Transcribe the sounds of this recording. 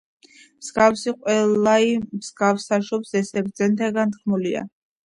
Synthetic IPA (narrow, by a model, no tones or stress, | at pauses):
msɡafsiqʼwɛlaimsɡafsaʃɔpsɛsɛb̚d̪zɛnt̪ʰaɡant̪χmulia̰